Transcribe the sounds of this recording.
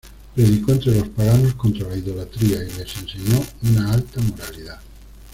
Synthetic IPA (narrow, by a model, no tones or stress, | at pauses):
pɾedikɔnt̪ɾelospaɡanoskont̪ɾolaiðolat̪ɾiaelesenseɲɔunaalt̪amoɾaliða